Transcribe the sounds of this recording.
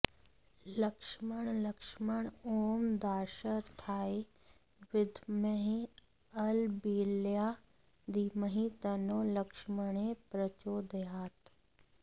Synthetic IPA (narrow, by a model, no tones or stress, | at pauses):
ləkʃməɽ̃ləkʃməɽ̃oːmd̪aːʃəɾt̪ʰaːi | ʋɪd̪ʱmeɦẽ | ɐlbiːljaː | d̪iməɦĩt̪ɐnoːlɐkʃməɽ̃epɾɐt͡ʃoːd̪jaːt̪